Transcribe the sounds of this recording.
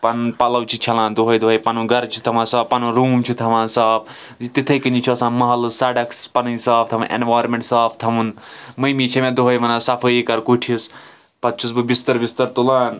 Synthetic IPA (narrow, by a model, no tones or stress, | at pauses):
pɐnpɐlɐwt͡ʃʰit͡ʃʰɐlãːnd̪uɦɐjd̪uɦɐjpɐnũɡɐɾt͡ʃʰi̥t̪ʰɐʋãːsɐːppɐnuɾuːmt͡ʃʰit̪ʰɐʋãːsaːp̚ʰ | t̪it̪ʰɐjkɨnd͡ʒit͡ʃʰiɐsãːnmɐɦɐlɨsaːɖɐkspɐnɨisaːpt̪ʰɐmɨnʔḛnʋaːjɾmẽɳʈsaːpʰt̪ʰɐmunmɐjmit͡ʃʰɐmẽd̪uɦɐjmɐnaːsɐpʰəikɐɾkuʈʰis | pɐt̪̚t͡ʃʰusbɨbist̪ɐɾbist̪ɐɾt̪ulaːn